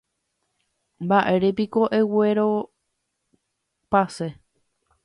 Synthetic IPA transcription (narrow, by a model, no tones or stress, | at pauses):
mbaʔe̞ɾep̬iko̞ʔe̞weɾo̞ | pase